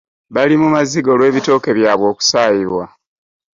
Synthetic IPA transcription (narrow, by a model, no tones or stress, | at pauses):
βalimumaziɡo̞lwe̞ːβito̞ːke̞βjaːβwo̞ːku̥saːjiβwa